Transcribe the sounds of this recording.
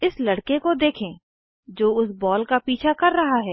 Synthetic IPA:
ɪslɐɽkekod̪eːkʰẽː | d͡ʒoːʊsbɔːlkapiːt͡ʃʰakɐɾːɐɦaɦɛː

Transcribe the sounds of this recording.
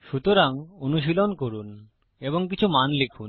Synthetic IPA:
ʃut̪oɾaŋonuʃ̬ilonkoɾun | eboŋkit͡ɕʰumanlikʰun

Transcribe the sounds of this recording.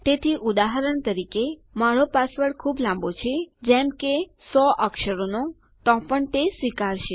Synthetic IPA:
t̪et̪ʰiʔud̪aɦəɾəɳt̪əɾikemaɭopasʋəɽkʰublãmbot͡ʃʰed͡ʒemkesɔʔəkʃəɾono | t̪ɔ̃pəɳt̪esʋikaɾʃe

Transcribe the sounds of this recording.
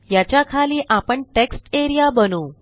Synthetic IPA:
jat͡ɕjakʰaliːʔapəɳʈeksʈeɾijabənuː

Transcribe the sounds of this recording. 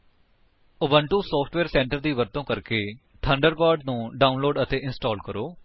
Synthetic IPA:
ʊbəɳʈũːsɔːpʰʈʋeːɾsɛ̃ːɳʈəɾd̪iːʋəɾt̪õːkəɾkeː | ʈʰəɳɖəɾbaːɾɖnũːɖaːʊnloːɖət̪eːʔɪnsʈɔːlkəɾoː

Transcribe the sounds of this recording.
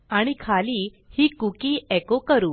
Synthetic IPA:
aɽ̃ikʰaliː | hiːkukiːʔɛkokəɾuː

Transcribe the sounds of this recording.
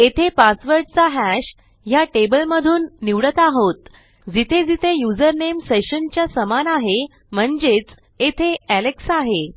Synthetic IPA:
et̪ʰepasʋəɾɖt͡saɦæɕ | jaʈebəlməd̪ʱuːnːiʋɽət̪aɦot̪ | d͡zit̪ʰed͡zit̪ʰejud͡zəɾnemseɕənt͡ɕjasəmanaɦe | m̤əɳd͡zet͡s | et̪ʰeæleksaɦe

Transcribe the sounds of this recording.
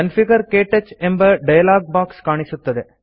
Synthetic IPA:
ɐnfiɡɐɾkeːʈːɐt͡ʃːembɐɖɐjɐlaːɡ̚baːkskaːɳisut̪ːɐd̪e

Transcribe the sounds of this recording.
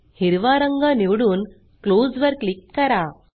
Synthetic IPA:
hiɾʋaɾəŋɡəniʋɽuːn | klod͡zʋəɾklikːəɾa

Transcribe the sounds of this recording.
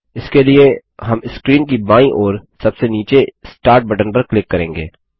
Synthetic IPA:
ɪskelie | ɦɐmɪskɾiːnk̬ibãːĩʔɔːɾsɐbseniːt͡ʃesʈaːɾʈ̚bɐʈənpɐɾklɪkːɐɾẽːŋɡḛː

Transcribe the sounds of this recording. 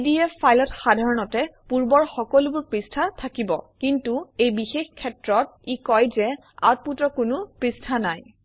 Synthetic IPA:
diɛajlɔtxadʱaɹɔnɔtɛpuɹbɔɹxɔkɔlʊbʊɹpɹistʰatʰakibɔ̰kintuejbixexkʰːɛtɹɔt̚ikɔjzɛ | a̰t̚putɹɔkʊnʊpɹistʰanaj

